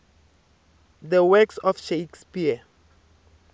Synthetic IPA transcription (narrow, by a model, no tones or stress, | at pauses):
ðəwɛksɔfʃekspia